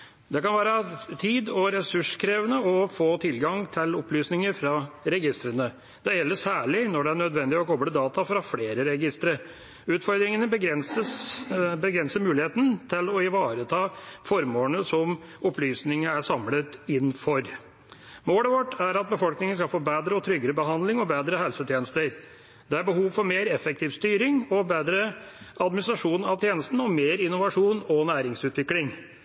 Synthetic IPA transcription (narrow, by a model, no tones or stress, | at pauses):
d̪ɛkɑnʋæːɾət̪ʰiːd̪ɔɾɛsʉʂkʰɾeːʋənəɔfoːt̪ʰɪlɡɑŋt̪ʰɪlɔplyːsnɪŋəɾfɾɑɾɛɡɪst̪ɾənə | d̪̥ɛjɛlːəʂæːɭɪnɔɖɛæɳœd̪ʋɛnd̪ɪɔkʰɔbləd̪ɑːt̪ɑfɾɑfleːɾəɾɛɡɪst̪ɾəɾ | ʉːt̪fɔɾd̪ɾɪŋənəbəɡɾɛnsəsbəɡɾɛnsəmʉːlɪheːt̪ən̩t̪ʰɪlɔɪʋɑːɾət̪ʰɑːfɔɾmoːənəsɔm | ɔplyːsnɪŋəæʂɑmlət̪ɪnːfɔɾ | moːləʋɔʈːæɾɑt̪̚bəfɔlknɪŋənskɑlfoːbeːd̪ɾəɔt̪ʰɾʏɡəɾəbəɦɑnd̪lɪŋɔbeːd̪ɾəhɛlsət̪ʰjeːnəst̪əɾ | d̪̥ɛæɾbəhuːʋfɔɾmeːɾɛfɛk̚t̪ʰɪːʋst̪yːɾɪŋɔbeːd̪ɾəɑd̪mɪnɪst̪ɾɑʂuːnɑʋt̪ʰjeːnəst̪n̩ɔmeːɾɪnʊʋɑʂuːnɔnæːɾɪŋsʉːt̪ʋɪklɪŋ